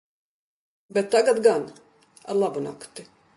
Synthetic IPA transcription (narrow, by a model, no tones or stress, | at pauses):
bɛt̪ːaɡad̪ɡan | a̰ɾlˠabuna̰kt̪i